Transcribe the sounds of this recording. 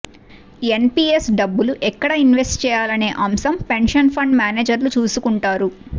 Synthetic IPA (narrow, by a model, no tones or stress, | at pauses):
e̞npiːesɖɐbːuluʔɛkːɐɽɐinʋesʈt͡ʃɛːjaːlɐne̞ːʔɐmsɐmpe̞ɳʂɐnpʰɐɳɖmjaːneːd͡ʒɐɾlut͡ʃuːsukuɳʈaːɾu